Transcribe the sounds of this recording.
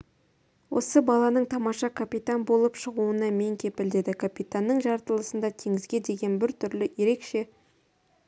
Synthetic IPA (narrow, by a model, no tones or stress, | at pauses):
wʔo̞̰səbɑlˠɑnəɴt̪ʰɑmɑʃɑkʰapʲit̪anbo̞lˠəpʃəʁuənɑme̞ŋkʲʰe̞pɪld̪e̞d̪ɪkʰapʲit̪anːəɴʒɑɾt̪əlˠəsənd̪ɑt̪ʰe̞ŋɪzɡʲe̞d̪e̞ɡʲe̞nbɪɾt̪ʰʏɾlɪje̞ɾe̞kʃe̞